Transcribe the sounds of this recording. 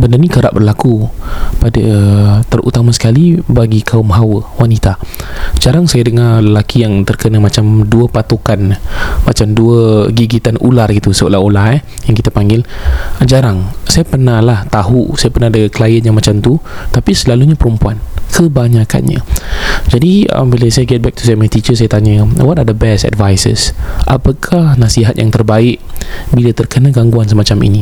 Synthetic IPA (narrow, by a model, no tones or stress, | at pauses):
bəndərnikəɾaʔbərlakupadət̪ərʔṵt̪amasə̥kalibaɡikʰaʊmɦawəwanit̪ad͡ʒaɾaŋsajadəŋarləlakijaŋt̪ərkənamat͡ʃamduəpat̪okanmat͡ʃamduəɡiɡit̪anʔṵlarɡit̪usəṵlaulaɛhjaŋkit̪apaŋɡɪld͡ʒaɾaŋsajapərnahlaht̪aɦusajapərnadəklajənɲãŋmat͡ʃamt̪ut̪apisəlaluɲapəɾumpuankʰəbaɲaka̰nɲa̰d͡ʒadiə̰mbiləsajəɡɛt̪̚bɛk̚t̪usajmət̪it͡ʃəsajat̪aɲəwɔtadəbɛsɛ̰dvajsə̰sʔa̰pakʰahnasiɦat̪̚jaŋt̪ərbaɪʔ̚bilat̪ərkənaɡaŋɡuansəmat͡ʃamḭni